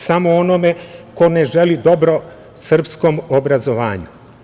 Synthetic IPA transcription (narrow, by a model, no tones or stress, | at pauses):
samoonome̞ko̞ne̞ʒelid̪o̞bɾo̞ | sr̩pskomobɾazoʋa̰ːɲu